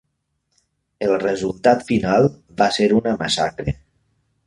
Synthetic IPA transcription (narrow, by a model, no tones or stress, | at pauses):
əlˠrezulˠt̪at̪finalˠ | βaseɾunəmasa̰kɾe